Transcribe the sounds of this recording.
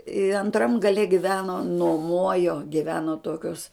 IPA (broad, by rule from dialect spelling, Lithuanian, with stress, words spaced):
ɪ ɐnˈtrɐm ɡɐˈlʲɛ ɡʲɪˈʋʲæːnoː nuɔˈmoːjoː ɡʲɪˈʋʲæːnoː ˈtoːkʲoːs